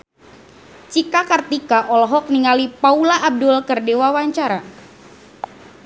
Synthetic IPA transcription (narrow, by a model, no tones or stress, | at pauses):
t͡ʃikakart̪ikaʔɔlɔɦɔk̚niŋalipaulaʔːb̚dʊlkɨrdewawaɲt͡ʃaɾa